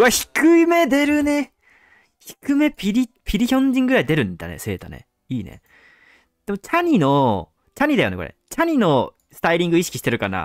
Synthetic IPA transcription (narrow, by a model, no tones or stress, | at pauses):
açi̥kɯime̞d̪e̞ɾɯ̟ne̞ | çi̥kɯ̟me̞pʲiɾʲipʲiɾʲiçõ̞ɲ̟d͡ʑĩŋːɡɯ̟ɾaid̪e̞ɾɯ̟̃nd̪a̰nḛse̞̰ːt̪a̰nḛ | iːnḛ | d̪̥e̞mo̞t͡ɕaɲ̟ino̞ | t͡ɕaɲ̟id̪ajo̞neko̞̰ɾḛt͡ɕaɲ̟ino̞ | sɨ̥t̪aiɾʲĩŋɡɯ̟iɕi̥kʲi̥ɕi̥t̪e̞ɾɯ̟kana̰